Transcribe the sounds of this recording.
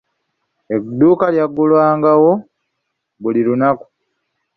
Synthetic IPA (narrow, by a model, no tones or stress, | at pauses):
ed̪uːkaljaɡulwaːŋɡawo̞ | βuliɾunaku̥